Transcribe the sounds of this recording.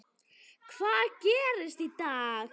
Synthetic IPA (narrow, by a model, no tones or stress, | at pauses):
kʰvaːðcɛːɾɪst̪it̪aː